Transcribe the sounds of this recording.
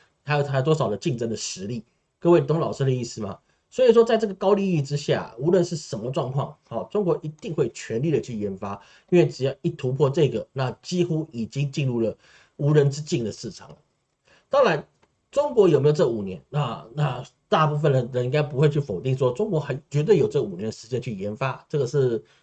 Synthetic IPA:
a˥jo˨˩a˥jo˨˩t̪wɔ˥ʂɑ˨˩ʊd̪ə˦t͡ɕi˥˩ŋʈ͡ʂə˥ŋd̪ə˨ʂɻ̩˧˥li˥˩ | kə˥˧we˥˩ɪt̪ʊ˥ŋlɑ˨˩ʊʂ̩˥d̪ə˧i˥˩sɹ̩˨˩mɐ̰˩ | swɔ˧˥i˨˩ʂ̬wɔ˥t͡sa˥˧ɪʈ͡ʂɤ˥˩ɡə˩kɑ˥ʊli˥˧i˥˧ʈ͡ʂɻ̩˥ɕja̰˥˩u˧˥lwə˥˧nʂɻ̩˥˩ʂə˧˥nmə˧ʈ͡ʂwɑ˥˧ŋkʰwɑ˥˩ŋɔ˨˩ʈ͡ʂʊ˥ŋkwɔ˧˥ʔi˧˥t̪i˥˧ŋxwe˥˩ɪt͡ɕʰɥɛ˧˥nli˥˩d̪ə˩t͡ɕʰy˥˩jɛ˧˥nfa˥ | i˥nwe˥˩ɪʈ͡ʂɻ̩˨˩jɑ˥˧ʊi˥˩t̪ʰu˧˥pʰwɔ˥˧ʈ͡ʂɤ˥˩ɡə˩na˥˩t͡ɕi˥xu˥i˨˩t͡ɕi˥ŋt͡ɕi˥˧nɻu˥˩lə˩ | u˧˥ɻə˧˥nʈ͡ʂɻ̩˥t͡ɕi˥˩ŋd̪ə˩ʂɻ̩˥˩ʈ͡ʂʰɑ̰˨˩ŋlə̰˦ | t̪ɑ˥˩ʊla˧˥ɪ | ʈ͡ʂʊ˥ŋkwɔ˧˥jo˨˩me˥o˨˩ʈ͡ʂɤ˥˩ɡə˨u˨˩njɛ̰˧˦nna˥˧na˥˧t̪a˥˧pu˥˩fə˩nd̪ə˩ɻə˧˥ni˥ŋka˥ɪp̬u˧˥xwe˥˧ɪt͡ɕʰy˥˩fo˨˩ʊt̪i˥˩ŋʂwɔ˥ʈ͡ʂʊ˥ŋkwɔ˧˥xa˧˥ɪt͡ɕɥɛ˧˥t̪we˧˩jo˨˩ʊʈ͡ʂɤ˥˩ɡə˨u˨˩njɛ˧˦nd̪ə˨ʂɻ̩˧˥t͡ɕjɛ˥nt͡ɕʰy˥˩jɛ˧˥nfa˥ʈ͡ʂɤ˥˩ɡə˩ʂɻ̩˥˩

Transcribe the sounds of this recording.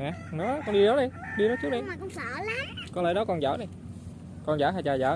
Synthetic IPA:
ŋaː˨˩nɔ˨˦kɔ˧nɗi˧zɔ˨˦wɗə˧jɗi˧nɔ˨˦t͡ɕu˦˥t̚ɗə˧˨kɔ˧wŋ͡msaː˧˩˦la˨˦kɔ˧˦lə̰ː˧˨˦jɗɔ˨˦kɔ˧nza̰ː˧˩˦ɗə˧j | kɔ˧nzaː˧˩˦ɦaː˨˩jt͡ɕaː˨˩za̰ː˧˦

